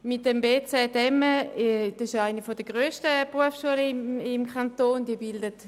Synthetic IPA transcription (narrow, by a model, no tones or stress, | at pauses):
mɪt̚dɛmbeːt͡sɛːdɛməd̥ɪʃaɪnəfɔdəɡ̥ʁøːʃtəb̥ʁuəfʃuələɪmɪmkʰantoːnd̥iːɐbɪldət